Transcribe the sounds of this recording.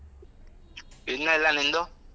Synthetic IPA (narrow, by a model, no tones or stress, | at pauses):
enalanɛndɔ